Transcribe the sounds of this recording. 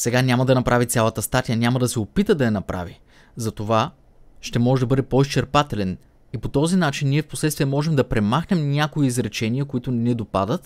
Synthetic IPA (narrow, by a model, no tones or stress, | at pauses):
sɛɡanʲamɐd̪ɐnɐpɾavit̪sʲalˠɐt̪əst̪at̪ijənʲamɐd̪ɐsɛopit̪əd̪ɐjɐnɐpɾʔa̰vi | zɐt̪ova | ʃt̪ɛmɔʒɛd̪ɐbɤd̪ɛpɔist͡ʃɛɾpat̪ɛlɛn | ipot̪ɔzinat͡ʃinːiɛfposlɛt̪st̪viɛmɔʒɛmd̪ɐpɾɛmaxnɛmnʲakoiːzɾɛt͡ʃɛniəkoit̪ʊnɛd̪opad̪ət̪